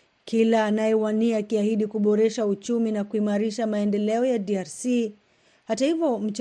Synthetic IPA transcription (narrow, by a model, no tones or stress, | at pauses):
kilaːnajɛwaniakiahiɗikuɓɔɾɛʃaut͡ʃuminakuimaɾiʃamaɛndɛlɛɔjadiaɾsi | hatahivjɔm̩t͡ʃ